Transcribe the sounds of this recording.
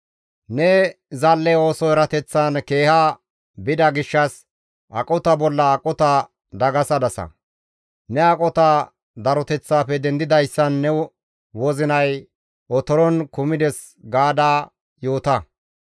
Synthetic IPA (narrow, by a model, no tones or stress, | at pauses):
nɛ | zɐlːɛo̞ːsɔɛɾɐt̪ɛt͡sːanke̞ːha | bɪd̪ɐɡɪʃːɐs | ʔɐkʼɔt̪ɐbɔlːɐːkʼɔt̪a | d̪ɐɡɐsɐd̪ɐsɐ̰ | nɛɐkʼɔt̪a | d̪ɐɾɔt̪ɛt͡sːaːpɛd̪ɛnd̪ɪd̪ɐjsːɐnːɛ | wɔzɪnɐj | ʔɔt̪ɔɾɔnkʊmɪd̪ɛs | ɡaːd̪aː | joːt̪ɐ